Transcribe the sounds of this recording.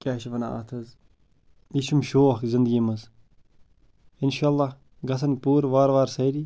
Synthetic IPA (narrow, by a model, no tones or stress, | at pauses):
kʲaːʃiʋɐna̰ɐ̰t̪ʰɐz | jiʃumʃoːxkzind̪ɡʲimɐz | inʃaːlˠːɑːh | ɡɐs̬ɐnpuːɾʋaːɾʋaːɾsɐjɾi